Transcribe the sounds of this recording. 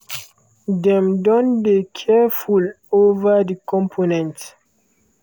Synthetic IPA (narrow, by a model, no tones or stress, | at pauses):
dɛ̃mdɔ̃ndekʰɛful | ovədikʰɔ̃mpʰonɛ̃nt